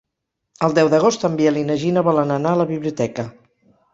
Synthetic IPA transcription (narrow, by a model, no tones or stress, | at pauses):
əlˠd̪ɛwðəɣ̞ost̪əmbiəlinəʒinəβɔlənənaələβiβliut̪ɛkə